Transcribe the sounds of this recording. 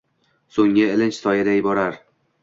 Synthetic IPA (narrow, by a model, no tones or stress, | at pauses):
soŋɪɪlɪnt͡ʃsɒjad̪ajɪbɒɾaɾ